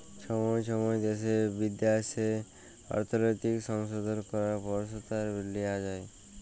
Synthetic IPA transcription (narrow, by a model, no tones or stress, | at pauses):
ʃɔmɔjʃɔmɔjd̪eʃebid̪jase | a̰ɾt̪ʰonɔjt̪ikʃɔŋʃod̪ʱonkɔɾaɾpɔɾʃot̪aɾbilːiad͡ʑaj